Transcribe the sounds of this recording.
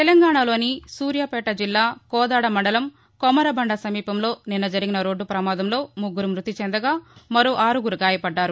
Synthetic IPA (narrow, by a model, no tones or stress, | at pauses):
t̪ɛlɐŋɡaːɳalo̞ːnisuːɾjapɛːʈɐd͡ʒilːaːkɔːd̪aːɽɐmɐɳɖɐlɐm | kɔmɐɾɐbɐɳɖɐsɐmiːpɐmlo̞ːninːɐd͡ʒɐɾiɡinɐɾo̞ːɖːupɾɐmaːd̪ɐmlo̞ːmuɡːuɾumɾut̪it͡ʃɛnd̪ɐɡaːmɐɾoːʔaːɾuɡuɾuɡaːjɐpɐɖːaːɾu